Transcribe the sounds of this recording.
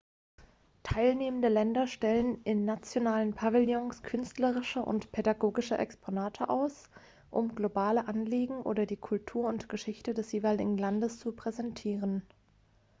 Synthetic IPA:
tʰaɪlneːməndəlɛndɐʃtɛlənʔɪnːat͡sjonaːlənpʰavɪljɔŋskʰʏnstləʁɪʃəʔʊ̰ntpʰedaɡoːɡɪʃəʔɛ̰kspʰonaːtʰəʔaʊs | ʔʊmɡlobaːləʔanliːɡŋ̩ʔo̰ːdɐdiːkʰʊltʰuːɐʊntɡ̥əʃɪçtədɛsjeːvaɪlɪɡŋ̩landəst͡supʁ̥ɛzɛntʰiːʁən

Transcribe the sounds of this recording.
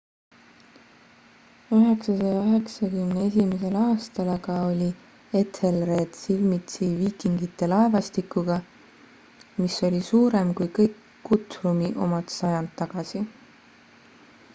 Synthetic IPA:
yɦe̞ksɑsɑjɑøɦe̞ksɑkymnee̞simese̞lɑːst̪ɑlɑɡɑo̞lʲi | et̪ʰhelre̞ːd̪̥silmit̪siviːkiŋɡit̪ːˑe̞lɑevɑst̪ikːˑuɡ̥ɑ | miso̞lʲisuːɾemkujkɤjkːut̪rumiʔo̞̰mɑt̪sɑjɑnd̪ːɑɡ̥ɑsi

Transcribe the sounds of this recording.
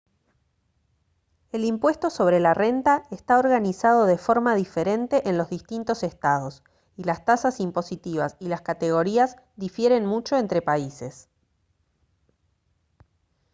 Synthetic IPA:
e̞limpwe̞st̪o̞so̞βɾe̞lare̞nt̪aest̪aoɾɣanisaðo̞ðefo̞ɾmaðife̞ɾe̞nt̪e̞ʔenlo̞zðist̪int̪o̞sest̪að̞o̞s | ilast̪asasimpo̞sit̪iβ̞asilaskat̪e̞ɣ̞o̞ɾiaz | ðifje̞ɾe̞nmut͡ʃo̞e̞nt̪ɾepaise̞s

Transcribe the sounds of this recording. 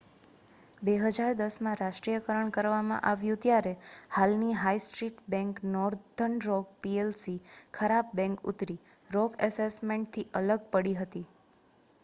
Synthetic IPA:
beɦəd͡ʒaɾd̪əsmãɾaʃʈɾijəkəɾəɳkəɾʋamã̰ʔaʋjũt̪jaɾehalniɦaisʈɾiʈbɛ̃ŋknɔɾd̪ʱəɳɾɔɡ̚pielsikʰəɾab̚bɛ̃ŋkṵt̪ɾi | ɾɔkəsesmẽɳʈ̚t̪ʰiʔələɡ̚pəɽiɦət̪i

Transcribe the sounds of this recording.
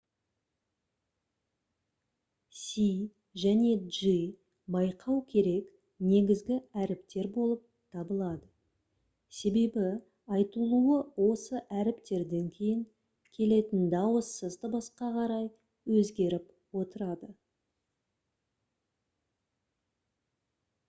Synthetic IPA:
si | ʒæne̞ʒi | bɑjqʰɑwkʲʰe̞ɾe̞k | ne̞ɡʲɪzɡʲɪæɾɪpt̪e̞ɾbo̞lˠəp̚t̪ʰɑbəlˠɑd̪ə | se̞be̞bɪ | ɑjt̪əlˠuəwo̞səʔæɾɪpt̪e̞ɾd̪e̞ŋkʲʰe̞jɪŋ | kʲʰe̞le̞t̪ɪnd̪ɑwəsːəzd̪əbɑsqɑqʰɑɾɑj | wɵzɡʲe̞ɾɪp | wo̞t̪əɾɑd̪ə

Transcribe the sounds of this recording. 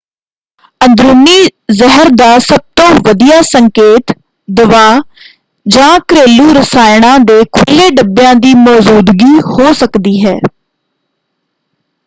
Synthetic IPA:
ənd̪ɾuːniːzəɦəɾd̪aːsəb̚t̪õːʋəd̪ijaːsəŋkeːt̪ | d̪əʋaː | d͡ʒãːkɾeːluːɾəsaːɪɽãːd̪eːkʰʊlːeːɖəbjãːd̪iːmɔːzuːd̪ɡiːhoːsəkd̪iːɦɛ̰ː

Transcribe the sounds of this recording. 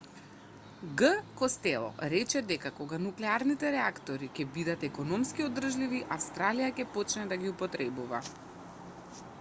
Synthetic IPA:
ɡəkɔst̪ɛlˠɔ̰ɾɛt͡ʃɛd̪ɛkakoɡanuklɛaɾnit̪ɛɾɛakt̪ɔɾikʲɛbid̪at̪ɛkɔnɔmskiod̪r̩ʒliviʔafst̪ɾalijakʲɛpɔt͡ʃnɛd̪aɡʲiupɔt̪ɾɛbuva̰

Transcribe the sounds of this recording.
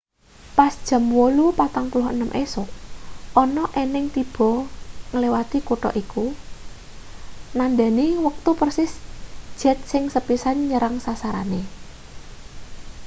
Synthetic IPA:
pasd̥ʒ̥ə̤mwolupat̪aŋpulʊhənəmʔesʊk̚ʔɔnɔʔenɪŋt̪ib̥ɔ̤ŋəlewat̪ikuʈɔ̰ʔiku | nanɖɛ̤niwək̚t̪upərsɪsd̥ʒ̥ɛ̤t̪̚sɪŋsəpisanɲəɾaŋsasaɾa̰ne

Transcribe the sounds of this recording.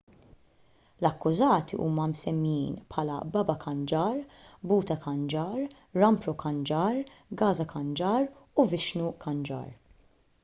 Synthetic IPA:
lɐkːʊzɐːt̪ḭʔṵːmɐmsɛmːjiːnpħɐːlɐ̰bɐbɐkʰɐnd͡ʒɐːɾbuːt̪ɐkɐnd͡ʒɐːɾː | ɐmpɾɔkɐnd͡ʒɐːɾɡɐːzɐkɐnd͡ʒɐːɾuvɪʃnukʰɐnd͡ʒɐ̰ːɾ

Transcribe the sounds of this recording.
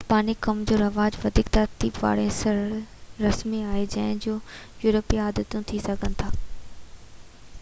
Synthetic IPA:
paːnikɐmd͡ʑoːɾɐʋaːd͡ʑʋɐd̪ʱikt̪ɐɾt̪iːbʋa̰ːɽẽsɐɾɾɐsmiaːɦed͡ʑɐ̃ɦɪ̃d͡ʑoːjuːɾəpiaːd̪ət̪ũt̪ʰisɐɡʱənɪ̆t̪ʰaː

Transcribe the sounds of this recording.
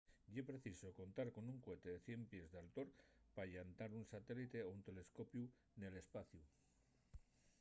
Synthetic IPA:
epɾe̞θiso̞ko̞nt̪aɾko̞nuŋkwe̞t̪e̞ðe̞θje̞mpje̞zðalt̪o̞ɾpaʝant̪aɾunsat̪e̞lit̪e̞ount̪e̞le̞sko̞pju | ne̞le̞spaθju

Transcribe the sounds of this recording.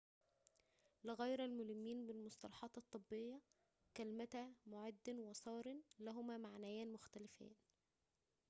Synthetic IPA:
lɪɣæjɾælmʊhɪmːiːnbɪlmosˤt̪ɑlɑħɑːt̪ɑt̪ˤːɨbːejːæ | kælmæt̪æmʊʕad̪ːɪnwɑsˤɑːɾɪnlæɦʊmæːmaʕnæjæːnmʊxt̪ælɪfæ̰ːn

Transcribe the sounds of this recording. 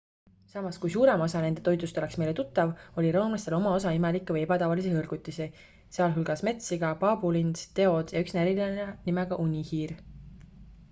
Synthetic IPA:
sɑmɑskujsuːɾe̞mo̞sɑne̞nd̪e̞t̪o̞jd̪ˑust̪o̞le̞ksme̞jle̞t̪ut̪ːˑɑvo̞lʲiɾo̞ːmlɑst̪e̞lo̞mɑo̞s̬ɑimelikːˑevɨe̞bɑt̪ɑvɑlis̬ehɤlɡ̥ut̪ʲːˑisi | seɑlɦulɡ̥ɑsme̞t̪siɡ̥ɑpɑbulinst̪e̞o̞d̪̥jɑyksnæɾilɑnenimeɡ̥ɑʔunʲihiːɾ

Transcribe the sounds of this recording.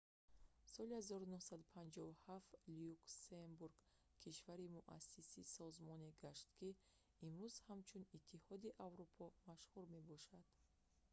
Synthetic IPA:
sɔlihazɔɾunuhsad̪upʰand͡ʒɔvuhaft̪liuksenbuɾɡ̥ | kʰiʃvaɾimuʔa̰sːisisɔzmɔneɡaʃt̪kʰi | imɾuz̥hamt͡ʃʰunit̪ʰːihɔd̪iʔavɾupʰɔmaʃhuɾme̞bɔʃad̪̥

